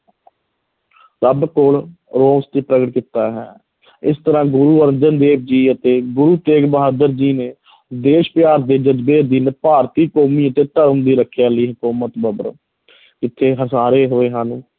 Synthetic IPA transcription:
səbkoːlɾoːst̪eːpɾəɡəʈ̚kiːt̪aːɦɛ̰ː | ɪst̪əɾãːɡʊɾuːəɾnd͡ʒənd̪eːb̚d͡ʒiːət̪eːɡʊɾuːt̪eːɡbəɦaːd̪əɾd͡ʒiːneː | d̪eːʃpɪjaːɾd̪eːd͡ʒəd͡ʒbeːd̪iːneːpaːɾt̪iːkoːmiːət̪eːt̪əɾəmd̪iːɾəkʰːjaːləiːɦʊkuːmət̪bəbəɾ | kɪt̪ʰːeːɦəsaːɾeːɦoːeːɦaːnũː

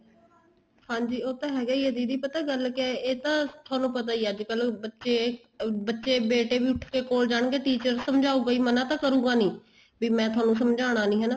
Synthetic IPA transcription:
hãːɲd͡ʒiːoːt̪ãːɦɛːɡaːiːəd̪iːd̪iːpət̪aːɡəlkeeːt̪ãːt̪ʰʊaːnũːpət̪aːiːad͡ʒkəlbətːʃeː | bətːʃeːbeːʈeːbiːʊʈʰkeːkoːld͡ʒaːɳ̃ɡeːʈiːt͡ʃəɾsəmd͡ʒaːũːɡaiːmənãːt̪ãːkəɾũːɡaːnĩː | biːmɛ̃ːt̪ʰʊaːnũːsəmd͡ʒaːɽ̃aːnĩːɦɛnaː

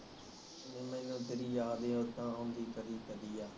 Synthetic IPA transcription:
nẽːmɛ̃ːnũːt̪eːɾiːjaːd̪ẽːʊt̪ãːɦõːnd̪iːkəɾiːkəd̪iːaː

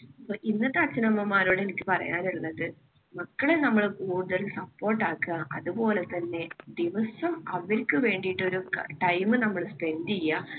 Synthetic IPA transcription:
ɐpːoʔinːɐt̪ːeɐt͡ɕːɐnɐmːɐmːaːɾuːɽenikʲːɨpɐrɐ̰jaːniɭːɐðɨ | mɐkːɐɭe̞nɐmːɐɭkuːɽuðɐlsɐpːo̞ːrʈːaːkːɨɣɐʔɐðupo̞ːle̞t̪ːɐnːe̞d̪iʋɐsɐmɐʋilkʲːɨʋe̞ːɳɖijʈːo̞ɾuʈɐjmɨnɐmːɐɭspe̞ndijːɐ

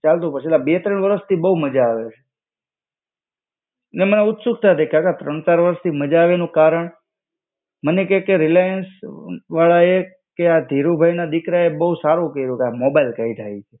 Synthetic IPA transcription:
t͡ʃalt̪̬ũpət͡ʃʰilabet̪ɾəɳʋəɾəst̪ʰibəɦuməd͡ʒaːʋet͡ʃʰe | əneməneʊt̪suk̚t̪ʰaɦt̪ekakat̪ɾəɳ̃t͡ʃaɾʋəɾəst̪ʰiməd͡ʒaːʋenũkaɾəɳ | mənekekeɾilajənsʋaɭae | kead̪ʱiɾubʱajnad̪ɪkɾaebəɦusaɾukəiɾũkamobajlkait̪ʰajt͡ʃʰe

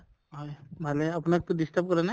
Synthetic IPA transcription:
ɦajmaleapnak̚t̪udisʈəp̚kəɾana

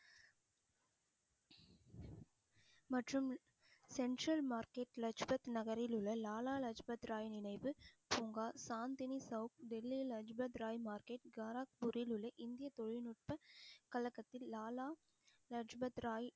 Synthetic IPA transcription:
mɐʈrɯm | sɛɳʈɾɐlmaːɾkeːʈlɐd͡ʒbɐt̪nɐɣɐɾɪlɯɭːɐlaːlaːlɐd͡ʒbɐt̪ɾaːjnɪnɐɪʋɯpuːŋɡaːsaːnd̪ɪnisɐʊkɖɛlːilɐd͡ʒbɐt̪ɾaːjmaːɾkeːʈɡɐɾaːk̚bʊɾɪlɯɭːɐʔɪnd̪ɪjɐt̪ɔɻɪnʊʈ̚pɐkɐlɐkːɐt̪ːɪlːaːlaː | lɐd͡ʒbɐt̪ɾaːj

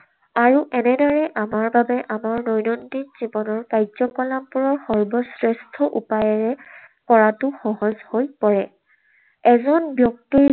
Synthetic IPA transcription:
aɹuʔɛnɛdaɹɛʔamaɹbabɛʔamaɹnɔjnɔndikz̥ibɔnɔɹkajzɔkɔlampuɹɔɹxɔɹbɔsɹɛstʰɔʔṵpajɔɹɛ | kɔɹatʊxɔɦɔzhojpɔɹɛ | ɛzɔnbjɔk̚ti

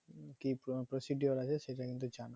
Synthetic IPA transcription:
kipɾosiɖioɾat͡ɕʰeʃejʈakint̪ud͡ʑana

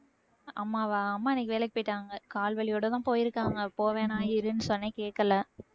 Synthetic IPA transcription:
ɐmːaːʋaːɐmːaːɪnːɛkːɪʋeːlɛkːɪpoːjɪʈːaːŋɡɐkaːlʋɐɭɪjoːɽot̪ãːpoːjɪɾɯkːaːŋɡɐpoːʋeːnaːjɪɾɯnːɯsɔnːeːkeːʈ̚kːɐlːɐ

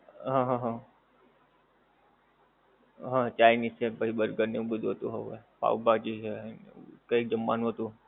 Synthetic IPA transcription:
ɦãɦãɦã | ɦãt͡ʃajnist͡ʃʰebəɦibəɾɡəɾneũbəd̪ʱuɦət̪ũɦəʋḛpa̰wbad͡ʒet͡ʃʰenkəik̚d͡ʒəmːa̰nũɦət̪ũ

